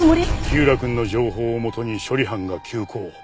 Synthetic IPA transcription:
moɾʲikʲɨːɾakɯ̟̃nːo̞d͡ʑo̞ːɦo̞ːmo̞t̪o̞ɲ̟iɕo̞ɾʲiɦãŋɡakʲʰɨːkʰo̞ː

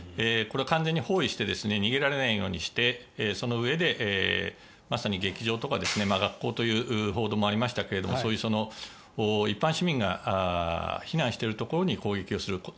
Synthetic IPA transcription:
eko̞ɾe̞akãnd͡ze̞ɲ̟ːiho̞ːiɕi̥t̪e̞d̪e̞sɨne̞ɲ̟iɡe̞ɾaɾe̞naijo̞ːɲ̟iɕi̥t̪e̞so̞no̞ɯ̟e̞d̪e̞ʔ | masaɲ̟iɡe̞kʲiʑo̞ːt̪o̞kad̪e̞sɨne̞maɡakːo̞ːt̪o̞jɯ̟ːʔɯɦo̞ːd̪o̞ːmo̞aɾʲimaɕi̥t̪ake̞ɾe̞d̪omoso̞ːjɯso̞no̞ | oːipːãɰ̃ɕimʲĩŋɡa̰açinãɰ̃ɕi̥t̪e̞ɾɯ̟t̪o̞ko̞ɾo̞ɲ̟iko̞ːɡe̞kʲio̞sɨɾɯ̟ko

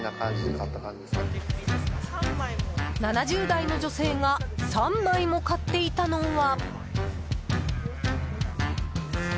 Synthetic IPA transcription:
nakãit̪ːaka | nanaʑɨːd̪aino̞d͡ʑo̞se̞ːŋasãmːaimo̞kat̪ːe̞it̪ano̞βa

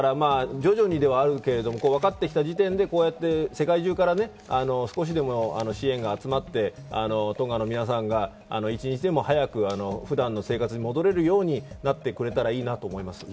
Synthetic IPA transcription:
ɾamaːd͡ʑo̞ʑo̞ɲ̟id̪e̞βaːɾɯ̟ke̞ɾe̞d̪o̞mo̞ko̞ːβakat̪ːe̞kʲi̥t̪aʑit̪ẽ̞nd̪e̞ko̞ːjat̪ːe̞se̞kaiʑɨːkaɾane̞ | ano̞sɨ̥ko̞ɕ̬id̪e̞mo̞ano̞ɕiẽ̞ŋɡaːt͡sɨmat̪ːe̞a̰no̞t̪õ̞ŋɡano̞mʲinas̬ãŋɡa | a̰no̞it͡ɕiɲ̟it͡ɕid̪e̞mo̞hajakɯ̟ano̞ɸɯ̟d̪ãnːo̞se̞ːkat͡sɨɲ̟imo̞d̪o̞ɾe̞ɾɯjo̞ːɲ̟inat̪ːe̞kɯɾe̞t̪aɾaiːnat̪oːmo̞imasɨ̥

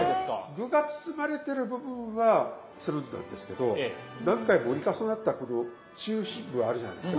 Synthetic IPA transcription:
eskaɡɯ̟ɡat͡sɨ̥sɨmaɾe̞t̪e̞ɾɯ̟bɯ̟bɯ̟̃ɰ̃βa | t͡sɨɾɯ̟̃nːã̰nd̪e̞sɨ̥ke̞d̪o̞ | nãŋkaimoɾʲikasanat̪ːako̞no̞ | t͡ɕɨːɕĩmbɯ̟βaːɾɯ̟ʑana̰jd̪esska

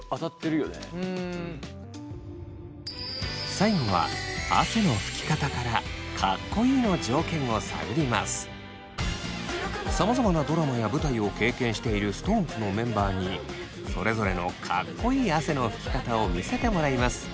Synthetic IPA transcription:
at̪at̪ːeɾɯ̟jonḛ | saimoβa̰a̰se̞no̞ɸɯ̟̥kʲi̥kat̪akaɾakʰakːo̞iːno̞d͡ʑo̞ːkẽ̞ɰ̃o̞sa̰joɾʲima̰sɨ̥ | samazamanad̪o̞ɾamajabɯ̟t̪aio̞ke̞ːkẽ̞ɰ̃ɕi̥t̪e̞iɾɯ̟sɨ̥t̪o̞ːmpɯ̟no̞mẽ̞mbaːɲ̟i | so̞ɾe̞zo̞ɾe̞no̞̰kʰa̰kːo̞iːase̞no̞ɸɯ̟kʲi̥kat̪ao̞mʲise̞t̪e̞mo̞ɾaimasɨ̥

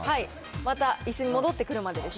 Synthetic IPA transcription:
hai | mat̪aisɨɲ̟imo̞d̪o̞t̪ːe̞kɯ̟ɾɯ̟mad̪e̞d̪e̞s

